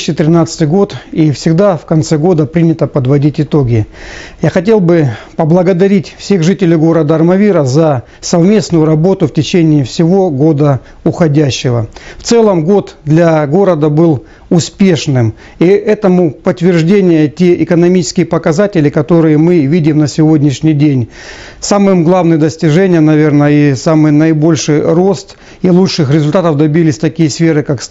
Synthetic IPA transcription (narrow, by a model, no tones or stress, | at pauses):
ɕːɪt̪ɾʲɪnat̪sɨ̥t̪ɨjɡo̞t̪ifsʲɪɡd̪afkɐnt̪sɛɡo̞d̪əpɾʲinʲɪt̪əpəd̪vɐdʲitʲɪt̪o̞ɡʲɪjaxɐtʲe̞lˠbɨpəblˠəɡəd̪ɐɾʲitʲfsʲe̞ɣʐɨtʲɪlʲɪjɡo̞ɾəd̪əːrmɐvʲiɾəzɐ | sɐvmʲe̞snʊjʊɾɐbo̞t̪ʊftʲɪt͡ɕenʲɪːfsʲɪvo̞ɡo̞d̪ə | ʊxɐdʲæɕːɪvəft̪sɛlˠəmɡo̞t̪d̪lʲɐɡo̞ɾəd̪əbɨlˠ | ʊspʲe̞ʂnɨm | iʔɛt̪əmʊpət̪ːvʲɪrʐdʲenʲɪjətʲe̞ʔɪkənɐmʲit͡ɕɪ̥skʲɪjəpəkɐzatʲɪlʲɪkɐt̪o̞ɾɨjəmɨvʲidʲɪmnəsʲɪvo̞dʲnʲɪʂnʲɪjdʲenʲ | samɨmɡlˠavnɨjəd̪əsʲtʲɪʐɛnʲɪjənɐvʲe̞rnəisamɨjnəɪbo̞lʲʂɨjro̞st̪ | ilˠutʂɨxɾʲɪzʊlʲt̪at̪əvd̪ɐbʲilʲɪsʲt̪ɐkʲijəsfʲeɾɨkaks